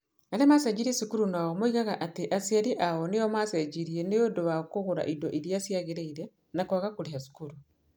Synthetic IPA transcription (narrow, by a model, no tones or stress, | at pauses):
alemasɛd͡ʒiɾiesikuɾunaɔmoiɣaɣaʔateʔasiaɾiʔaɔneɔmasɛd͡ʒiɾiɛneodowakoɣoɾa̰ʔidɔʔiɾjasjaɣeɾeiɾɛ | nakwaɣakoɾehasu̥kuɾu